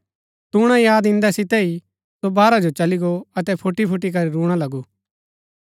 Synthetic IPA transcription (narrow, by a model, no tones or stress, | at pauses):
t̪uːɽ̃ãjaːd̪ɪ̃nd̪ɛsɪt̪ɛi | sobaːɾad͡ʒot͡ʃɐliɡoɐt̪ɛpʰʊʈːipʰʊʈːik̬ɐɾiɾuːɽ̃alɐɡuː